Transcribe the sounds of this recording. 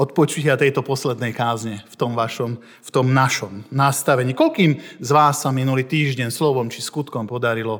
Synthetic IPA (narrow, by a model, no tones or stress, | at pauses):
ɔt̪̚pɔt͡ʃucɪat̪ɛjt̪ɔpɔslɛd̪nɛjkaːzɲɛft̪ɔmʋaʃɔm | ft̪ɔmnaʃɔmnast̪aʋɛɲiːkɔlkiːmzʋaːsːaminuliːt̪iːʒɟɛnslɔʋɔmt͡ʃiskut̪kɔmpɔd̪aɾilɔ